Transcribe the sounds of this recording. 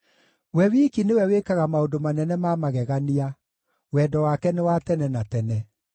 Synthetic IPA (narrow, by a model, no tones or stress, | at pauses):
wɛwikinewɛwekaɣamaodomanɛnɛmamaɣɛɣania | wɛːdɔwakɛnewatɛnɛnatɛnɛ